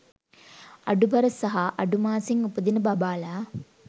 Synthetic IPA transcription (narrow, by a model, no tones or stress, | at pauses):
ɐ̰ɖubɐɾəsɐɦaʔɐɖumaːsiŋupəd̪inəbɐbaːlaː